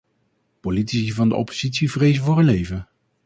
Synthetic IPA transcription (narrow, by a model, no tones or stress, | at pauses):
politisivɑndə̰ʔɔ̰pozitsivrejzəvʊːrənlejvə